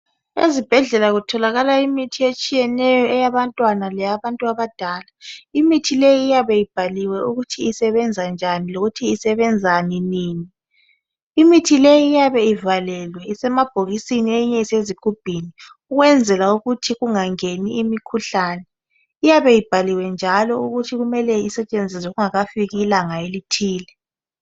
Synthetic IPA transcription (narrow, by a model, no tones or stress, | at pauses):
ḛzib̥ʱɛɮɛlaɣutʰɔlaɣalaimitʰiet͡ʃʼijɛnɛjɔɛjaβantʼwanalɛjaβantʼuaβad̥ʱalaimitʰilejiːjaβɛjib̥ʱaliwɛuɣutʰiisɛβɛnd͡zʱand͡ʒʱaniloɣutʰiːsɛβɛnd͡zʱaniniːni | imitʰilejiːjaβɛivalɛlwɛisɛmab̥ʱoɣisinieiɲɛiseziɡ̥ʱub̥ʱini | uɣwɛnd͡zʱɛlauɣutʰiɣuŋaŋeniʔimikʰuɬaːnɛ | ijaβɛjib̥ʱaliwɛnd͡ʒʱalɔuɣutʰiɣumɛlɛisɛt͡ʃʼend͡zʱiswɛɣuŋaɣafiɣiːlaŋaelitʰiːlɛ